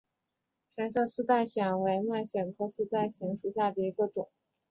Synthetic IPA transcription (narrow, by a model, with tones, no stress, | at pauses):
ɕja˧˥nʂɤ˥˧sɹ̩˥t̪a˥˩ɪɕjɛ˨˩nwe˧˥ɪma˥˩ɪɕjɛ˨˩nkʰɤ˥˧sɹ̩˥t̪a˥˩ɪɕɛ˧˥nʂu˨˩ɕja˥˩d̪ə˩i˧˥ɡə˧ʈ͡ʂʊ˨˩˦ŋ